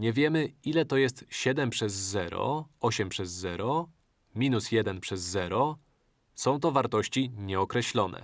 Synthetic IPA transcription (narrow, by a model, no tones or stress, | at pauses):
ɲɛvʲjɛmɘilɛt̪ɔjɛst̪ɕɛd̪ɛmpʂɛzːɛɾɔ̰ɔɕɛmpʂɛzːɛɾɔ | mʲinusjɛd̪ɛnpʂɛzːɛɾɔ | sɔ̃w̃t̪ɔvaɾt̪ɔɕt͡ɕiɲɛɔkɾɛɕlɔnɛ̰